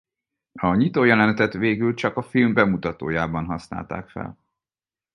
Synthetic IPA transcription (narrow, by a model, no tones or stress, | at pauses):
ɒɲit̪oːjɛlɛnt̪ɛt̪ʋeːɡylt͡ʃɒkɒfilmbɛmut̪ɒt̪o̰ːjaːbɒnɦɒsna̰ːlt̪a̰ːkfɛ̰l